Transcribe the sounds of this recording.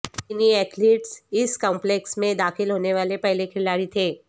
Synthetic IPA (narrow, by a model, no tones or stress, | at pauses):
ɪniɛːt̪ʰliːʈsɪskɔ̃ːmpleːksmẽd̪aːxɪlɦoːneʋaːlepɛɦlekʰɪlaːɾit̪ʰeː